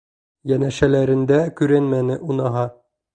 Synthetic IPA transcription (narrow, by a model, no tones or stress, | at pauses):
jænæʃælæɾɘ̆nd̪ækʉɾænmænɘʔunɑɦɑ